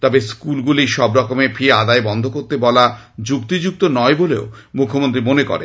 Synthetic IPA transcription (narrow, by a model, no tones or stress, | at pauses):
t̪ɔbeskulɡuliʃɔbɾɔkomefʰiead̪aebɔnd̪ʱokoɾt̪ebɔlad͡ʑukt̪id͡ʑuk̚t̪onɔeboleomukʰːomont̪ɾimonekɔ̰ɾḛ